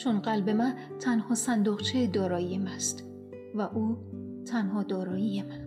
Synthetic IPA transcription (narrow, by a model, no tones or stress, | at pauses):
t͡ʃʰonɢælbe̞mæn | t̪ʰænhɒːsænd̪oɣt͡ʃʰed̪ɒːɾɒːijemæst̪ | væʔuː | t̪ʰænhɒːd̪ɒːɾɒːjijemæn